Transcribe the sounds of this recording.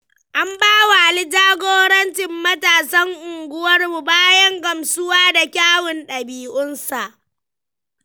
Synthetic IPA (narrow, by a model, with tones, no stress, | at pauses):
ʔa˦mbaː˦wa˨a˨lɪ˦d͡ʒaː˦ɡʷoː˦ɽɐ˦nt͡ʃɪ˨mːɐ˦taː˨sɐ˦ŋʔʊ˨ŋɡʷʊ˦wɐ˦rmu˨baː˦jɐ˦ŋkɐ˨msʊ˦waː˦da˨kʲaː˦wɪ˨nɗɐ˨biː˨ʔʊ˦nsa˨ʔ